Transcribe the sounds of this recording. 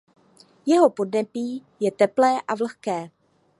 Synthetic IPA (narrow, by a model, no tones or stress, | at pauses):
jɛɦo̞po̞dnɛpiːjɛt̪ɛplɛːʔavlxkɛː